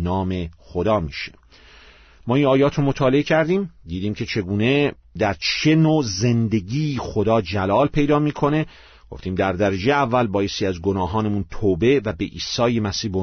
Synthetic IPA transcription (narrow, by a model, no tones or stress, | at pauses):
nɒːme̞xod̪ɒːmḭːʃe̥ | mɒːiːnɒːjɒːt̪ʰɾomot̪ʰɒːle̞ecʰæɾd̪iːmd̪iːd̪iːmcʰe̞t͡ʃʰe̞ɡuːne̞ | d̪æɾt͡ʃʰenoːze̞nd̪e̞ɡiːxod̪ɒːd͡ʒælɒːlpʰe̞jd̪ɒːmiːkʰo̞ne̞ | ɡ̥o̞ft̪iːmd̪æɾd̪æɾed͡ʒeeævːælbɒːje̞st̪iːæzɡonɒːɦɒːnemunt̪ʰoːbe̞væbeʔiːsɒːjemæsiːhbo